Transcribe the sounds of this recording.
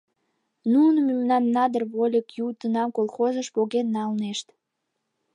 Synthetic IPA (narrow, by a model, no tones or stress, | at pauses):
nunəmymnɑnːɑd̪ərβolʲəkjut̪ənɑmkolˠxozəʃpoɣenːɑlneʃt̪